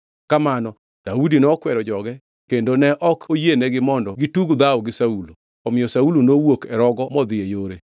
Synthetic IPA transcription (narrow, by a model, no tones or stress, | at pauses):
kamanɔ | d̥audinɔkwɛɾɔd͡ʒɔɡɛ | kendonɛʔɔkʰojenɛɡɪmɔndɔɡituɡd̪awɡɪsaulo | ɔmɪjɔsaulonowokɛɾɔɡɔmɔd̪ɪejoɾe